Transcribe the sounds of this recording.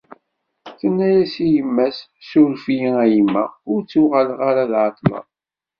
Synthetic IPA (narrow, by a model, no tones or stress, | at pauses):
θənːæjæsijəmːæsːulfijiæjimːə̰ʁʊɾt͡sːuʁalʁaɾaðʕɑt̪ˤlɑ̰ðˤ